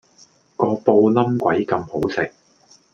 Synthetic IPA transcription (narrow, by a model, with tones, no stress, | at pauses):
kɔː˧po˧wlɐ˥mkʷwɐ˨˥jkɐ˧mho˨˥wsɪ˨k̚